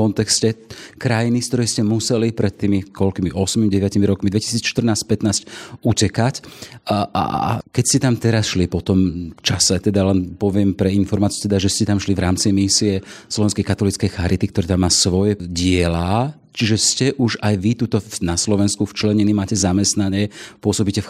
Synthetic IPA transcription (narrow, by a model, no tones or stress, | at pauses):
ɔnt̪ɛkscɛkɾajinist̪ɔɾɛjscɛmusɛlipɾɛt̪ːiːmikɔlkimiʔɔsmimɟɛʋɪacimiɾɔkmid̪ʋɛci̥siːt͡sʃt̪r̩naːsc̚pɛt̪naːscucɛkac | ʔa̰kɛcscɛt̪amt̪ɛɾasʃlipɔt̪ɔmft͡ʃasɛt̪ɛd̪alɛnpɔʋɪɛmpɾɛinfɔɾmaːt͡siut̪ɛd̪aʒɛscɛt̪amʃliʋɾaːmt͡simisiɛslɔʋɛnskɛjkat̪ɔlit͡skɛjxaɾʔit̪ikt̪ɔɾɛːt̪amːaːsʋɔjɛɟɪɛlaː | t͡ʃiʒɛscɛʔuʒajʋit̪uːt̪ɔnaslɔʋɛnskuft͡ʃlɛɲinimaːcɛzamɛst̪naɲɪɛpʊɔsɔbicɛf